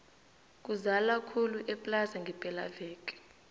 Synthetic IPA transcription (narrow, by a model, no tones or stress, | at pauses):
k̬ʼuzalakʰuluʔɛpʼlasaŋɡʱɛpʼɛla̰vɛːk̬ʼɛ̥